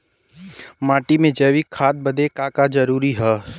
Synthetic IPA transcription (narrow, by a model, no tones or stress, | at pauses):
maːʈimẽd͡ʒəʋikʰaːt̪̚bɐd̪ekaːkad͡ʒɐɾuːɾiɦɛː